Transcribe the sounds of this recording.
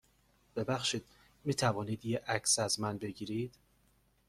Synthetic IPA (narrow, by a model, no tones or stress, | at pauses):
b̥e̞bæxʃiːd̪̥̚ | miːt̪ʰævɒːniːd̪jeʔæcʰsæzmænbe̞ɟiːɾid̪̥